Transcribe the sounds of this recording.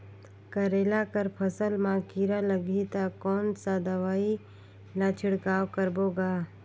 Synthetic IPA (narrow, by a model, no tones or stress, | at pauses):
kəɾeːlakəɾpʰəsəlmãkiɾaləɡit̪akɔːnsad̪əʋaːi | lat͡ʃʰɪɽkaːwkəɾboːɡaː